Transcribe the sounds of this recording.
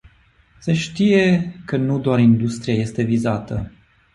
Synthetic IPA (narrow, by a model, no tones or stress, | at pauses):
se̞ʃt̪ije̞kənud̪oaɾind̪ust̪ɾijaje̞st̪e̞vizat̪ə